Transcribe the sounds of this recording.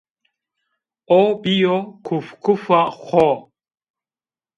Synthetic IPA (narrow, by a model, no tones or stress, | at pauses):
ɔbijɔkʰufkʰufaχɔ